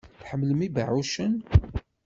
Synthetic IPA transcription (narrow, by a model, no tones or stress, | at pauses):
θħəmːləmibʕuʃən